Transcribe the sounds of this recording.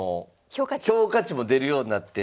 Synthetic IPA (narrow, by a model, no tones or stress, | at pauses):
o | çʲo̞ːkat͡ɕimo̞d̪e̞ɾɯ̟jo̞ːɲ̟inat̪ːe